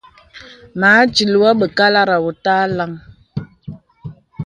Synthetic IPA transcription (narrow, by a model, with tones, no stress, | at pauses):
maː˨˦t͡ʃi˨lwa˦ɓə˨ka˦la˦ɾa˨wo˨ta˦la˦ŋ